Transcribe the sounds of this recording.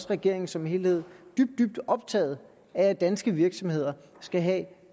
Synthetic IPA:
sʁɛɡ̥e̝ɐ̰e̝ŋ̩sɒ̽mihe̝ːlhe̝ð̩ˠd̥yb̥̚d̥yb̥d̥ɒ̽b̥t͡sʰɛ̰ːð̞̩ˠ | æːd̥ænsɡ̥əʋiɐɡ̥sɒ̽mhe̝ð̞̰ˠɐ | sɡ̥æɦɛ

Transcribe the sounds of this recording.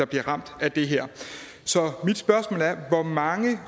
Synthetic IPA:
ɑ̈b̥liɐʁɑ̈m̰d̥æd̥e̝ɦɛɐ̰ | sɒ̽mid̥sb̥ɶɐsmɔ̰̽ːlæɐʋɒmɑ̈ŋə

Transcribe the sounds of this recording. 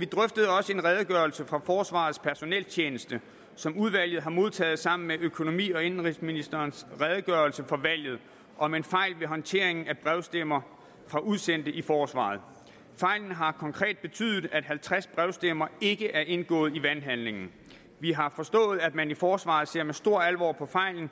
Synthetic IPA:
ʋid̥ʁœfd̥əð̞̩ˠɒ̽səe̝nʁɛð̞ˠɡ̥ɶɐlsəfʁɑ̈fɒːsʋɑ̰̈ːð̞̩ˠspʰæɐso̝nɛ̰lt͡ɕʰjeːnəsd̥ə | sɒ̽muðˠʋæl̰jð̩ˠɦɑ̈mo̝ð̞ˠt͡sʰɛ̰ːð̞̩ˠsɑ̈m̰n̩meʔøkʰo̝no̝mḭːɒ̽e̝nn̩ʁisminisd̥ɐːnsʁɛð̞ˠəɡ̥ɶɐlsəfɒ̽ʋæl̰jð̩ˠ | ʔɒ̽me̝nfɑ̈ɪ̰lʋe̝ɦɒ̽nt͡sʰe̝ɐ̰e̝ŋn̩æb̥ʁɛʊsd̥emɐ | fʁɑ̈ʔuðˠsen̰d̥əʔifɒːsʋɑ̰̈ːð̩ˠ | fɑ̈ɪ̰ln̩ɦɑ̈kʰɒ̽ŋkʰʁɛ̰ːd̥̚b̥e̝t͡sʰy̰ːð̩ˠæd̥ɦælt͡sʰʁasb̥ʁɛʊsd̥emɐe̝ɡ̥əʔæɐʔe̝nɡ̥ɔ̰̽ːð̩ˠiʋænɦænle̝ŋn̩ | ʋiɦɑ̈fɒ̽sd̥ɔ̰̽ːð̞̩ˠæd̥mænifɒːsʋɑ̰̈ːðˠse̝ɐ̰mesd̥o̝ɐ̰ælʋɒ̰ːpʰɒ̽fɑ̈ɪ̰ln̩

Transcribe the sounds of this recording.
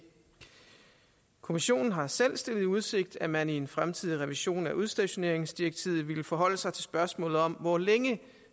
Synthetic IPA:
kʰo̝miɕo̝̰ːnn̩ɦɑ̈selsd̥e̝l̰ð̩ˠuð̞ˠse̝ɡ̥̚d̥æmænie̝nfʁamt͡sʰið̰ˠiʁɛʋiɕo̝̰ːnæʔuð̞ˠsd̥æɕo̝ne̝̰ɐ̰eŋsd̥ieɡ̥̚t͡sʰiːð̩ˠʋiləfɒ̽ɦɒ̽l̰əsɑ̈ɪt͡sʰe̝lsb̥ɶɐsmɔ̰̽ːlð̩ˠɒ̽mʋɒleŋə

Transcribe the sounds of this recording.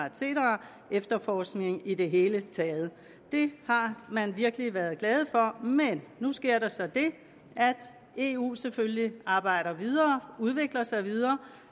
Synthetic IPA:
se̝̰ːɾɐ | efd̥ɐfɒːsɡ̥ne̝ŋ̩ide̝ɦe̝ːlət͡sʰɛːð̩ˠ | d̥e̝hɑ̈mænʋiɐɡ̥liʋæɐð̞̩ˠɡ̥lɛːð̞̩ˠfɒ̽menːusɡ̥e̝ɐ̰ɾ̥ɑsɒ̽d̥e̝ | ʔæd̥ | e̝ṵːsefølliʔɑ̈ːb̥ɑ̈ɪ̰ɾɐʋið̞ˠɐːuð̞ˠʋe̝ɡ̥lɐsɑ̈ɪʋið̞ˠɐː

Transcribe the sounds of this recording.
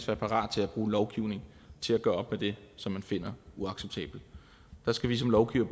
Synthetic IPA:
sʋæːɐpʰɑ̈ʁɑ̰̈ːd̥̚t͡sʰe̝læb̥ʁuːnlɒʊɡ̥iʊ̰ne̝ŋ | t͡sʰe̝læɡ̥ɶːɐɒ̽b̥med̥e̝sɒ̽mːænfe̝n̰ɐuɑ̈ɡ̥seb̥̚t͡sʰɛ̰ːb̥l̩ | d̥ɑ̈sɡ̥æʋis̬ɒ̽mlɒʊɡ̥iʊ̰ɐ̥

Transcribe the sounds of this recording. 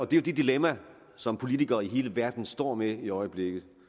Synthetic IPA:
ɒ̽d̥e̝jo̝d̥ed̥ilemæ | sɒ̽mpʰo̝lit͡sʰiɡ̥ɐːiɦe̝ːləʋæɐ̰d̥n̩sd̥ɒ̰ːmeiɒ̽ɪəb̥le̝ɡ̥ð̩ˠ

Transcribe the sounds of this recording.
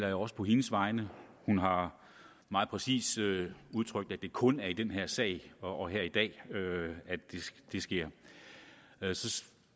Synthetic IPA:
lɐjoɒ̽sə̥pʰɒ̽ɦe̝nəsʋɑ̈ɪnəhunɦɑ̈ | mɑ̈ːð̩ˠpʰʁɛsḭːsøuð̞ˠt͡sʰʁœɡ̥d̥æd̥e̝kʰɔ̽næɐid̥enɦæɐ̰sɛ̰ːɪɒ̽ɦæɐ̰id̥ɛ̰ːøæd̥e̝d̥e̝sɡ̥e̝ɐ̰ | sɒ̽

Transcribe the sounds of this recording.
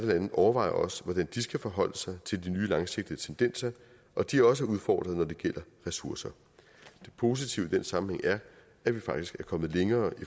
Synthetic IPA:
ðəlænð̩ˠʔɒʊɐʋɑ̈ɪɐ̰ʔɒ̽sʋɒd̥ænd̥isɡ̥æfɒ̽ɦɒ̽l̰əsɑ̈ɪt͡sʰe̝ld̥inyːlɑ̈ŋse̝ɡ̥̚d̥iðˠət͡sʰend̥en̰sɐ | ʔɒ̽d̥iæɐɒ̽s̬əuð̞ˠfɒ̰ːd̥ʁɐð̞̩ˠnɒd̥e̝ɡ̥el̰ɐʁɛsuɐsɐ | d̥e̝pʰo̝ːs̬it͡sʰiʊəd̥ensɑ̈mn̩heŋ̰æɐ | æʋifɑ̈ɡ̥d̥isɡ̥æɐkʰɒ̽mð̩ˠleŋɐːi

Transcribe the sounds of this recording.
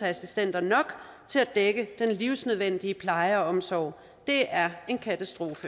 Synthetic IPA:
æsisd̥en̰d̥ɐnɒ̽ɡ̥ | t͡sʰe̝læd̥eɡ̥əd̥enliʊ̰snøð̞ˠʋen̰d̥iəpʰlɑ̈ɪɐɒ̽msɒ̰ʊ̰ | d̥e̝æɐe̝nkʰæt͡sʰæsd̥ʁo̝ːfə

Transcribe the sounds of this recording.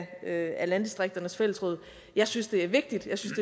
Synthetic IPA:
øælænd̥isd̥ʁeɡ̥̚d̥ɐnəsfel̰əsʁɔð̞̰ˠ | jɑ̈ɪsynsd̥e̝æɐʋe̝ɡ̥̚d̥id̥jɑ̈ɪsynsd̥e̝

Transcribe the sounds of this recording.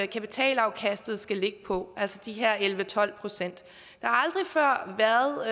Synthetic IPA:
kʰæpit͡sʰɛ̰ːlɑ̈ʊkʰæsd̥ð̩ˠsɡ̥æle̝ɡ̥əpʰɒ̽ʔælsəd̥iɦeɐ̰elʋət͡sʰɒ̽l̰pʰʁo̝sen̰d̥ | d̥ɑ̈hɑ̈ɑ̈ld̥ʁifɶɐ̰ʋæɐðˠ

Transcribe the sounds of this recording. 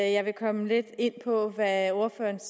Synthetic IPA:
jɑ̈ɪʋe̝kʰɒ̽məle̝d̥e̝n̰pʰɒ̽ʋæo̝ɐfø̰ːɐns

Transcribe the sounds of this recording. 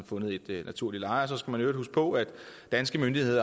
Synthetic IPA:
fɔ̽nð̞̩ˠe̝d̥næt͡sʰuɐ̰lilɑ̈ɪɒsɒ̽sɡ̥æmænøɐd̥usɡ̥pʰɒ̽æd̥d̥ænsɡ̥əmønd̥ihe̝ð̞̰ˠɐ

